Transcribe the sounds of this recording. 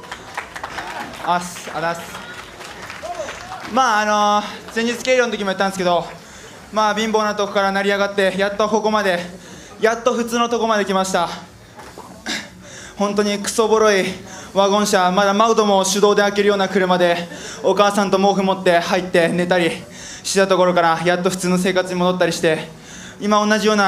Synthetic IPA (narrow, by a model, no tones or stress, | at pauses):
asad̪as | maːno̞z̥ẽ̞ɲʲd͡ʑit͡sɨ̥ke̞ɾjont̪oimoit̪ːãnesɨ̥ked̪o̞ | maːbʲĩmbo̞ːnat̪okɯ̟̥kaɾanaɾʲiaɡat̪ːe̞jat̪ːoko̞ko̞mad̪e̞ | jat̪ːo̞ɸɯ̟t͡sɨːnot̪o̞ko̞mad̪e̞kʲimaɕi̥t̪a | hõ̞nt̪o̞ɲ̟ikɯ̟̥so̞bo̞ɾo̞iβaɡõ̞ɰ̃ɕamad̪amaɯt̪o̞mo̞ɕɨd̪o̞ːd̪e̞ake̞ɾɯ̟jo̞ːnakɯ̟ɾɯ̟mad̪e̞o̞kaːsãnt̪o̞mo̞ːɸɯ̟mo̞t̪ːe̞hait̪ːe̞ne̞t̪aɾʲi | ɕi̥t̪at̪o̞ko̞ɾo̞kaɾajat̪ːo̞ɸɯ̟t͡sɨːno̞s̬e̞ːkat͡sɨɲ̟imod̪o̞t̪ːaɾʲiɕi̥t̪e̞ | imao̞nːaʑijo̞ːna